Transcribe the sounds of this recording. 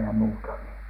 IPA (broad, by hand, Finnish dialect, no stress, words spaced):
jɑ muːtɑ ni